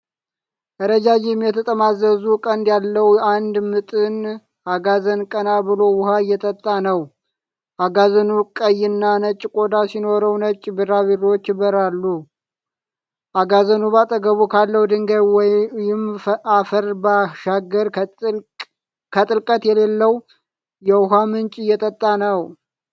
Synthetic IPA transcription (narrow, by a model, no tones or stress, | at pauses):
ʔəɾəd͡ʒad͡ʒɪmjɛt̪ʰət̪ʼəmazəzukʼənd̪jalːəwand̪mɨt̪ʼɨn | ʔaɡazənkʼənaβɨlo̞wʊhajːɛt̪ʼət̪ʼːanəw | ʔaɡazənukʼəjːɪnːanət͡ʃʼːkʼo̞d̪asino̞ɾəwnət͡ʃʼːbɨɾaβirot͡ʃːbəɾalːu | ʔaɡazənubat̪ʼəɡəβukʰalːəwd̪ɨŋɡəwjɪmafəɾbaʃaɡːəɾ | kʰət̪ʼɨlkʼət̪jɛle̞lːəw | jɛwʊɦamɨnt͡ʃʼɪjːɛt̪ʼət̪ʼːanəw